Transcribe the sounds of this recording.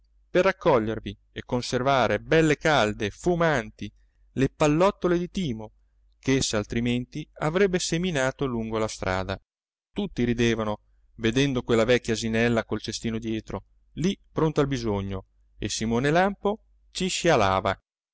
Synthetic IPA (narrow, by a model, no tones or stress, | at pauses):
perːakːɔʎːervi | ekːonservaːɾebɛlːekald̪efumant̪i | lepalːɔt̪ːoled̪it̪iːmo | keesːaːlt̪ɾiment̪iavɾɛbːeseminaːt̪oluŋɡolast̪ɾʔa̰ːd̪a | t̪ut̪ːiɾid̪eːvano | ved̪ɛnd̪okwelːavɛkʲːjazinɛlːakolt͡ʃest̪iːnod̪jɛːt̪ɾo | lipɾont̪albizoɲːo | ḛsimoːnelampo | t͡ʃiʃiala̰ːva